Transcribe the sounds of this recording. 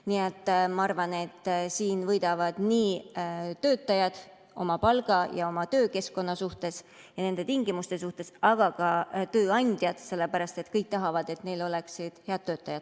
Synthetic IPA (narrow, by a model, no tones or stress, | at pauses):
niet̪ːˑmɑɑrvɑne̞t̪ːsiːnvɤjd̪̥ɑvɑd̪̥niːt̪ø̞ːt̪ːˑɑjɑd̪̥ | o̞̰mɑpɑlɡ̥ɑjɑo̞mɑt̪ø̞ːke̞skko̞nːɑsuht̪e̞s | jɑne̞nd̪e̞t̪iŋɡimust̪e̞suht̪e̞sɑɡ̥ɑkɑt̪ø̞ːɑnʲd̪̥ʲjɑd̪̥se̞lːe̞pæɾɑst̪e̞t̪kɤjk̚t̪ɑɦɑvɑd̪̥e̞t̪ne̞jlo̞le̞ksid̪̥he̞ɑd̪̥̚tːø̞ːt̪ːˑɑjɑd̪̥